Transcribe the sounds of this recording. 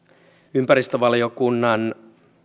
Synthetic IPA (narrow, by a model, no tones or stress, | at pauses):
ympæɾist̪øʋɑlio̞kunːɑn